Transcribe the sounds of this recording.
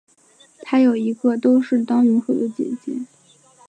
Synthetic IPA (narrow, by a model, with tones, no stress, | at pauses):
t̪ʰa˥jo˨˩ʊi˧˥ɡə˥˧t̪o˥ʊʂɻ̩˥˩t̪ɑ˥ŋny˧˥nxwu˨˩d̪ə˦t͡ɕjɛ̰˨˩t͡ɕḭ˥n